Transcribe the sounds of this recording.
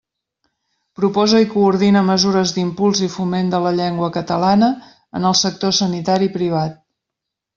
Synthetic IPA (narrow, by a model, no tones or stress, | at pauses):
pɾupɔzəikuːɾð̞inəməzuɾəzd̪impulˠzifumend̪ələʎɛŋɡwəkət̪əlanə | ə̰nəlˠsək̚t̪osənit̪aɾipɾiβ̞at̪̚